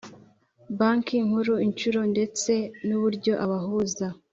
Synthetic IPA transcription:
baːŋkiŋ̥huɾuint͡ʃuɾo̞nde̞t͡se̞nuβuɾɟo̞ʔaβaɦuza

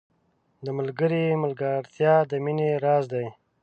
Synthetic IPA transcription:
d̪əməlɡəɾiməlɡəɾt̪jɑd̪əmineɾɑːzd̪aj

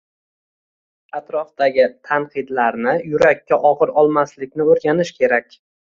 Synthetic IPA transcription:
at̪ɾɒfd̪aɡʲɪt̪ʰanqʰɨd̪laɾnɪjʊɾakʲːaʔɒʁɨɾɒlˠmaslɪkʲnɪoɾɡʲanɪʃkʲʰe̞ɾakʲ

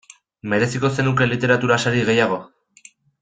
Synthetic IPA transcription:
me̞ɾe̞siko̞se̞nuke̞lit̪e̞ɾat̪uɾasaɾiɣe̞jaɣ̞o̞

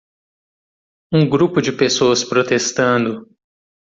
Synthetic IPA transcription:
ũɡɾupʊd͡ʒɪpesoɐspɾot̪est̪ɐ̃nd̪ʊ

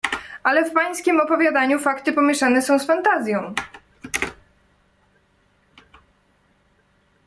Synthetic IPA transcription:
ʔalɛfpaj̃skʲimɔpɔvʲjad̪aɲufakt̪ɘpɔmʲjɛʂanɛsɔ̃w̃sfant̪azʲjɔ̃w̃

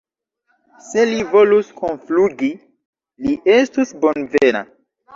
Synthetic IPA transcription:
se̞livo̞luskonfluɡi | liʔe̞stusbo̞nvena̰

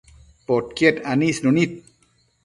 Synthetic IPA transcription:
poʈkieʈaniːsnonit̪̚

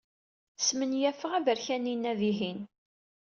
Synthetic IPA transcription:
smənjæfəʁævəɾçæninːæviɦin

